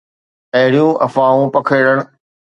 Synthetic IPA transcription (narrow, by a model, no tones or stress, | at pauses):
ɐɦɪɽijũːʔɐ̰fãːũːpɐkʰeːɽəɽ̃̆